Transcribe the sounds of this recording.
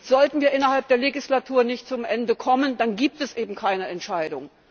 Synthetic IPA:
z̥ɔltn̩viːɐʔɪnɐhalp̚d̥eːɐleɡislatʰuːɐnɪçt̚t͡sʊmʔɛndəkʰɔməndanɡiːp̚tɛsʔeːbm̩kʰaɪnəɛntʃaɪdʊ̰ŋ

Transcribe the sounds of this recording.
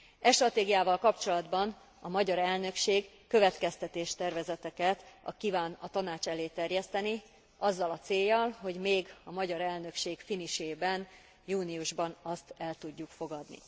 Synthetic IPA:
ɛʃt̪rɒt̪eːɡijaːvɒlkɒpt͡ʃo̞lɒd̪bɒn | ɒmɒɟɒɾɛlnø̞kʃeːɡːøvɛt̪kɛst̪ɛt̪eːʃt̪ɛrvɛzɛt̪ɛkɛt̪ɒ̰kivaːnɒt̪ɒnaːt͡ʃɛleːt̪ɛrjɛst̪ɛni | ɒzːɒlɒt̪seːjːɒlɦo̞ɟmeːɡɒmɒɟɒɾɛlnø̞kʃeːɡfiniʃeːbɛn | juːniuʒbɒnɒst̪ɛlt̪uɟːukfo̞ɡɒd̪nḭ

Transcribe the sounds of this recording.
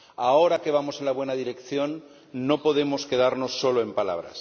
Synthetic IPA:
aoɾake̞β̞amose̞nlaβwe̞naðiɾe̞kθjo̞nː | o̞po̞ðe̞mo̞ske̞ðaɾno̞sːo̞loe̞mpala̰β̞ɾa̰s

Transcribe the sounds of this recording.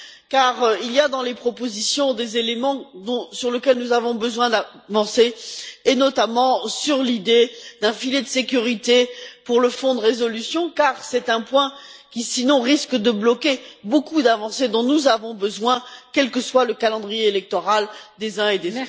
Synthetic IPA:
kaʁilijad̪ɑ̃lepχɔpozisjɔ̃d̪ezelemɑ̃d̪ɔ̃syʁləkʲɛlnuzavɔ̃bəzwɛ̃d̪avɑ̃seːnɔt̪amɑ̃syʁlid̪ed̪̥ɛ̃filed̪əsekʲyʁit̪epuʁləfɔ̃d̪əʁezɔlysjɔ̃kaʁsɛt̪ɛ̃pwɛ̃kʲisinɔ̃ʁiskd̪əblɔkebokud̪avɑ̃sed̪ɔ̃nuzavɔ̃bəzwɛ̃kɛlkəswaləkalɑ̃d̪ʁijeːlɛk̚t̪ɔʁald̪ezɛ̃ed̪ezot̪

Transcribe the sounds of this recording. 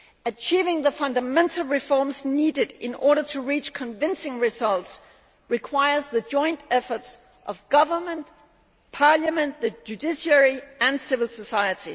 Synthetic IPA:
ɨt͡ʃʰivɪ̃ŋðəfʌ̃ndəmɛ̃ntʰl̩ˠɹɨfɔɹmznidɨɾɪ̰̃nɔɹɾə˞tʰəɹit͡ʃkʰɨ̃nɱvɪ̃nsɪ̃ŋɹɪzʌlˠts | ɹɨkʰw̥aɪə˞zðɨd͡ʒɔ̃ɪ̃ntɛfə˞ts | ʔʌvɡ̥ʌvə˞mə̃nt | pʰɑɹljəmɨ̃nðɨd͡ʒʉdɪʃiɛɹiɨ̃nsɪvəl̩ˠsəsaɪɨɾi

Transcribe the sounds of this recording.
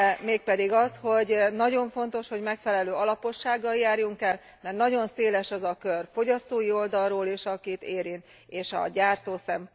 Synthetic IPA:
meːk̚pɛd̪iɡɒsho̞ɟnɒɟo̞ɱfo̞nt̪o̞ʃho̞ɟmɛkfɛlɛløːɒlɒpo̞ʃːaːɡːɒljaːrjuŋkɛl | mɛrt̪nɒɟo̞nseːlɛʃɒzɒkørfo̞ɟɒst̪oːjio̞ld̪ɒlroːleːʃɒkit̪eːɾint̪ | eːʃɒ̰ɟaːrt̪oːsɛm

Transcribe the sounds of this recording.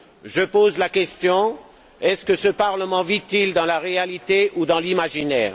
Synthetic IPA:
ʒəpozlakʲɛst̪jɔ̃ | ɛskəsəpaʁləmɑ̃vit̪ild̪ɑ̃laʁealit̪eʔud̪ɑ̃limaʒinɛ̰ːʁ

